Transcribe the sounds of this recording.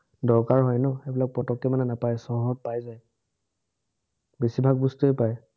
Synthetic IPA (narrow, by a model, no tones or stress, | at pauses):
dɔɹkaɹɦɔjnɔebilak̚pɔtɔkɛmanɛnapajsɔɦɔɦɔt̚pajzaj | besibʱaɡ̚bustuepaj